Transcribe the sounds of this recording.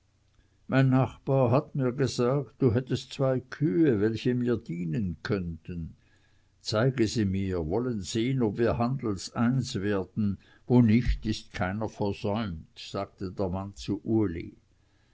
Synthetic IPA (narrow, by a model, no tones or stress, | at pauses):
mʔaɪnːaχb̥aːɐɦatmiːɐɡəzaːk̚td̥uɦɛtəstt͡sv̥aɪkʰyːəvɛlçəmiːɐdiːnənkʰœntən | t͡saɪɡəziːmiːɐvɔlənz̥eːənobviːɐhand̪l̩saɪnsveːɐd̥n̩ | voːnɪçtɪst̚kʰaɪnəfɛɐz̥ɔʏmtz̥aːɡ̥̚tədeːɐmant͡suʔuɐlḭ